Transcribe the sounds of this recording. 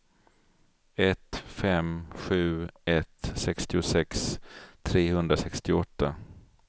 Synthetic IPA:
ɛt̪fɛmɧʉ̟ːɛt̪sɛkst̪ɪʊsɛkst̪ʰɾeːhɵnd̪ɾasɛkst̪ɪɔt̪ːa

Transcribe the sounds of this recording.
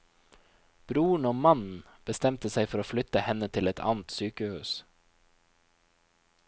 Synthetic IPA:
b̥ɾuːɳoːmɑnn̩ | b̥əst̪ɛmt̪əsæɪfɔɾoːflʏt̪əhɛnət̪ʰɪlɛt̪ʰɑ̰ːnt̪syːkəhʉ̰ːs

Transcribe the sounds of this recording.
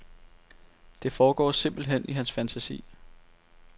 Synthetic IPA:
d̥e̝fɒːɡ̥ɒ̰ːse̝m̰b̥l̩ɦen̰iɦænsfænt͡sʰæsḭː

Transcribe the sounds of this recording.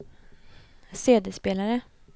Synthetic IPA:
seːd̪espeːlaɾə

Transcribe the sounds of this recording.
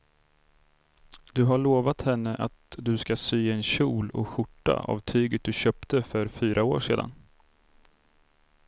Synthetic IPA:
d̪̥ɵɦaɭoːvat̪hɛnːəʔat̪d̪ɵskasyːɛnɕuːlɔ̰ɧʊʈːa̰a̰vt̪ʰyːɡət̪̚d̪ɵɕœːpt̪əfœɾfyːɾʔaoːʂeːd̪a̰n

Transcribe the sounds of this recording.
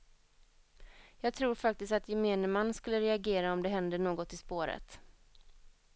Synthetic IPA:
jɑːɡ̚t̪ʰɾuːɾfak̚t̪ɪst̪at̪jɛmeːnəmanːskɵlːəɾɛaɡeːɾaɔmd̪ɛɦɛnd̪əɳoːɡɔt̪ɪspoːɾə̰t̪

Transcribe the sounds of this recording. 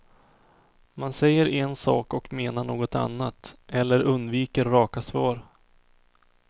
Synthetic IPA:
mansɛjːəɾɛnsɑ̰ːkɔkmeːnaɳoːɡɔt̪a̰nːat̪ʔɛlːəɾɵnd̪viːkəɾːɑːkasvɑːɾ

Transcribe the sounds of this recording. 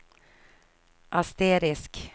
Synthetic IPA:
ʔast̪eːɾɪsk

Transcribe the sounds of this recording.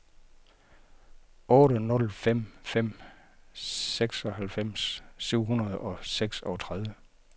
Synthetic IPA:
ɔ̽ːɾənɔ̽lfem̰fem̰ | seɡ̥sɒ̽hælfem̰sːyʊ̰ɦunɐð̞̩ˠɒ̽seɡ̥sɒt͡sʰʁaðˠʋə

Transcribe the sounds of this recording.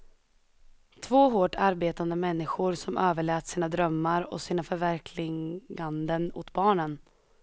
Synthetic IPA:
t̪ʰvoːɦoːʈʰaɾbeːt̪and̪əmɛnːɪɧʊɾsɔmʔøːvəɭɛːt̪siːnad̪ɾœmːaɾɔ̰siːnafœɾvæɾkʰlɪand̪ənʊ̰t̪bɑːɳən

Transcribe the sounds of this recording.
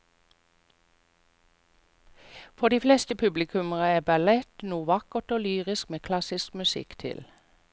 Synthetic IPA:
fɔʁd̪iːflɛst̪əpʰʉblɪkʰʉməʁəæːbælɛt̪nuːʋɑkəʁt̪oːlyːʁɪskmeːkʰlɑsɪskmʉsɪ̰kt̪ʰɪ̰l

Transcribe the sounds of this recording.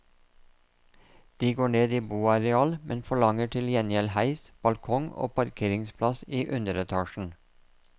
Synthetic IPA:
d̪̥iːɡoːɳeːd̪iːbuːɑɾɛɑːlmʔɛnfɔɭɑŋəʈʰɪljɛnjɛlhæɪsb̥ɑlkʰɔŋo̰ːpɑɾkʰeːɾɪŋspʰlɑsiːʔʉnd̪əɾɛt̪ʰɑːʃn̩

